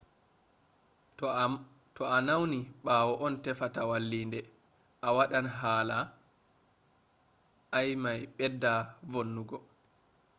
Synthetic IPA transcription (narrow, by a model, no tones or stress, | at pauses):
tɔanawniɓaːwɔʔɔntɛfatawalːiːndɛ | ʔawaɗanɦaːla | jmajɓɛdːavonːuɡɔ